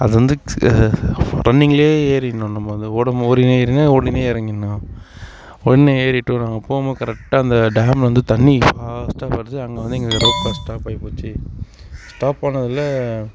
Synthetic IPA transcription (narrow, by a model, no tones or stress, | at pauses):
ɐðɯʋɐnd̪ɯ | ɾʔɐnːɪŋɡɐɭeːeːɾɪnːʊ̃nɐmːɐʋɐnd̪ɯoːɽɐmɔɾɪneɾɪnɐoːɽɪneːɪɾɐŋɡɪnːʊ̃ | ɔɽɪnːeeːɾɪʈːɯ̃nãːŋɡɐpoːmɐkɐɾɛk̚ʈaːɐnd̪ɐɖaːmʋɐnd̪ɯt̪ɐɳːifaːsʈapɐɾɯðɯɐŋɡɐʋɐnd̪ɯɛŋɡekɾot̪ːasʈaːpaːpoːt͡ʃːɯ | sʈaːpːɐnɐðɪlːɐ